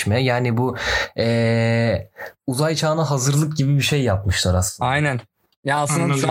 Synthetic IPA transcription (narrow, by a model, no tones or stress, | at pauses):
mɛjaːnibuɛː | uzajt͡ʃʰaːnaɦazɯɾlˠɯk̚ɟibibiʃejːapmɯʃlˠaɾasɯajnæn | jaaslɯnd̪a